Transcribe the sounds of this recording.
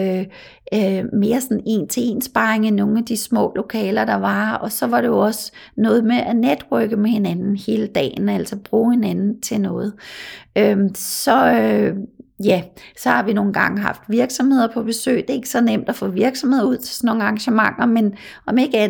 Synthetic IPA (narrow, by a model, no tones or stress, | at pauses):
me̝ːɐsɒ̽ne̝̰ːnt͡sʰe̝e̝̰ːnsb̥ɑ̈eŋænːo̝ːn̩æd̥ismɔ̰̽ːlo̝kʰɛːlɐd̥ɑ̈ʋɑ̈ɒ̽sɒ̽ʋɑ̈ɾ̥e̝jo̝ɒ̽snɔ̽ːð̞̩ˠmeʔæned̥ʁœɡ̥əmehe̝nænn̩he̝ːləd̥ɛ̰ːn̩æl̰sɐb̥ʁuːhe̝nænn̩t͡sʰe̝nɔ̽ːð̞̩ˠʔømsɒ̽ | jæsɒ̽hɑ̈ʋino̝ːn̩ɡ̥ɑ̈ŋəɦɑ̈fd̥ʋiɐɡ̥sɒ̽mhe̝ð̞̰ˠɐpʰɒ̽b̥e̝sø̰ːɪd̥e̝e̝ɡ̥əsɒ̽nem̰d̥æfɔ̰̽ːʋiɐɡ̥sɒ̽mhe̝ðˠuð̰ˠt͡sʰe̝̥sɒnːo̝ːŋ̩ɑ̈ŋɕəmɑ̈ŋ̰ɐmen | ʔɒ̽me̝ɡ̥æ